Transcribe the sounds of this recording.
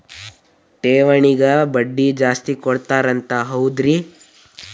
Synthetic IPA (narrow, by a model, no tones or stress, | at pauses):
ʈeːʋɐɳiɡɐbɐɖːid͡ʒaːst̪ikɔɽt̪aːɾɐnt̪aɦɐwd̪ɾi